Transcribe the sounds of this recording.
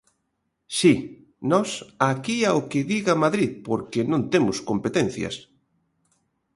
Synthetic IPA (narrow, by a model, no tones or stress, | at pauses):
si | nɔsakiaokɪðiɣamaðɾiðpoɾkenõnt̪emʊskompet̪en̟θjɐ̰s